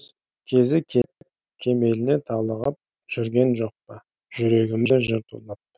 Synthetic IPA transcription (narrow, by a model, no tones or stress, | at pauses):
kʲʰe̞zɪkʲʰet̪ɪp̚ | kʲʰe̞me̞lɪnet̪ʰɑlˠəʁɑp̚ | ʒ̥ʏɾɡʲe̞nʒo̞q̚pə | ʒ̥ʏɾe̞ɡʲɪmɪeʒəɾt̪ʰṵlˠɑp̚